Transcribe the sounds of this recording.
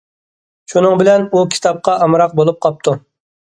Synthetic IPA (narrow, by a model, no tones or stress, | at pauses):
ʃunɨŋbɪlɛnukʲʰi̥t̪ʰɑp̚qɑʔɑmɾɑq̚bolˠup̚qʰɑp̚t̪ʰu